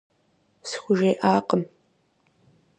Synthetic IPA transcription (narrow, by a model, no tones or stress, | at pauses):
sxʷʊʒeːʔaːqəm